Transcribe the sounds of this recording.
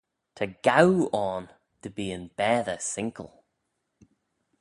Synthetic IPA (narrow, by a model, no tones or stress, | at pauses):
tʰəɡ̥awɔn | tʰəbiːə̃nb̥ɛːðəsɪ̃ŋkʰə̰lˠ